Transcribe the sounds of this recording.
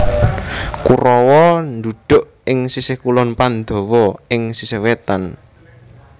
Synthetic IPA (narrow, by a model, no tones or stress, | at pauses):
kurɔwɔnd̪uɖ̪̥ʊ̤ʔ | ɪŋsisehkulɔnpand̪ɔ̤wɔɪŋsisewet̪an